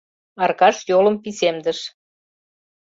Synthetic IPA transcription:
ɑrkɑʃjolə̆mpisemd̪əʃ

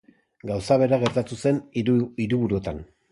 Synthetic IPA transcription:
ɡawsaβ̞e̞ɾaɣe̞ɾt̪at̪use̞niɾuβuɾuet̪an

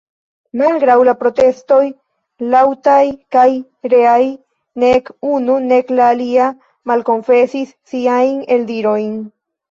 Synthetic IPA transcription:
malɡɾawlapɾo̞te̞sto̞j | lawtajkaj | ɾe̞aj | ne̞kunune̞klaːlia | malko̞nfe̞sisːiajne̞ldiɾo̞jn

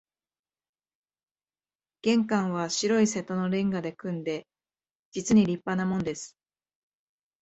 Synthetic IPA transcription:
ɡ̥ẽ̞ŋkãɰ̃β̞aɕiɾo̞ise̞t̪o̞no̞ɾẽ̞ŋɡad̪e̞kɯ̟̃nd̪e̞ | d͡ʑit͡sɨɲ̟iɾʲipːanamõ̞nd̪e̞sɨ̥

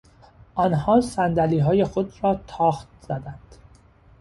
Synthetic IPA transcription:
ʔɒnhɒːsænd̪æliːɦɒːjexod̪rɒːt̪ʰɒːxt̪̚z̥æd̪ænd̪̥

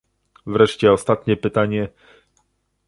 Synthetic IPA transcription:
vɾɛʂt͡ɕɛɔst̪at̪ɲɛpɘt̪aɲɛ

